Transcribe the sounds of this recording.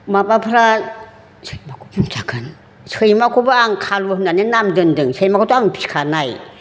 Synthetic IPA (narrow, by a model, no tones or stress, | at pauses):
mabapʰɾa | sʰɯjmakʰu̥d͡ʒumt͡ʃakʰɯn | sɯjmakʰubɯaŋkʰaluhɯnːanenamdɯndɯŋsejmakʰotoaŋpʰi̥skʰanaj